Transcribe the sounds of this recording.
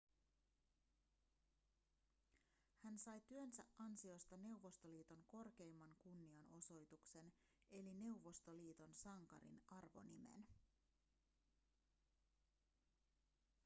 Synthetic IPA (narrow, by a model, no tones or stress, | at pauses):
hænsɑjt̪yønsæʔʔɑnsio̞st̪ɑne̞uʋo̞st̪o̞liːt̪o̞ŋko̞rk̟e̞jmːɑŋkunːiɑno̞so̞jt̪ukse̞ne̞line̞wʋo̞st̪oliːt̪o̞nsɑŋkɑ̰ɾḭnɑrʋo̞̰nime̞̰n